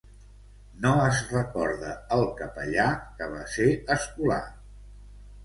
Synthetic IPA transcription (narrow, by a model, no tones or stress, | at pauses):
noəzrəkɔɾðəːlˠkəpəʎakəβ̞aseəskula̰